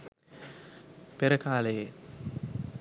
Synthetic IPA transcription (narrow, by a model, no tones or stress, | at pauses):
peɾəkaːləje